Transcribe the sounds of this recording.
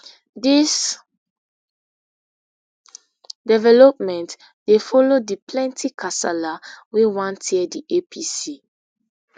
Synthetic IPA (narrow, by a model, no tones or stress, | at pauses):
dis | dɛvɛlɔp̚mɛ̃nt | defɔlodiplɛ̃ntʰikʰasɛlawewãntʰediʔepʰisi